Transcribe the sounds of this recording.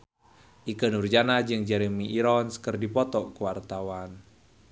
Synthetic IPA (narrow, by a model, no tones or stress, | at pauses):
ʔikənurd͡ʒanad͡ʒɨŋd͡ʒɛɾemiʔːɾɔnskərdipɔt̪ɔkuwart̪awan